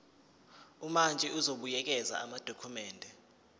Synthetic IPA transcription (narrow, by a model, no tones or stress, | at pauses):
umand͡ʒʱɛuzoɓujɛk̬ɛza̰ʔamad̥ʱokʰumɛːndʱɛ